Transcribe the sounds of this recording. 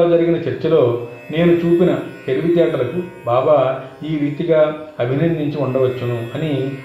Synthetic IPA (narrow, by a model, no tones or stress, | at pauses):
lɐd͡ʒɐɾiɡinɐt͡ʃɐɾt͡ʃːɐlo̞ː | ne̞ːnut͡ʃuːpinɐt̪eɾiʋit̪ɛːʈɐlɐkubaːbaːiːɾiːt̪iɡaːɐbʱinɐnd̪iɲt͡ʃiuɳɖɐʋɐt͡ʃːɐnuɐni